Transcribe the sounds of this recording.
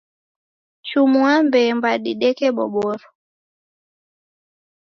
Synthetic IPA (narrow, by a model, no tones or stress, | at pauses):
t͡ʃumuambɛmbaɗiɗɛkɛɓɔ̰ɓɔɾɔ